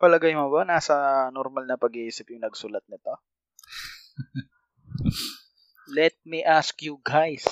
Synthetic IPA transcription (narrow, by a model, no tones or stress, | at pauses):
pɐlɐɡɐjmɐbɐnaːsɐnɔɾmɐlnɐpɐɡiːsɪpjʊŋnɐɡsʊlɐt̪̚nɪt̪o | lɛt̪̚miʔaskjuɡajs